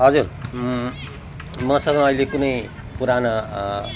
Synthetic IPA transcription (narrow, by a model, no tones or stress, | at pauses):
ɦʌd͡zur | mʌsʌŋɡʌ̃ʌilekunʌj | puɾana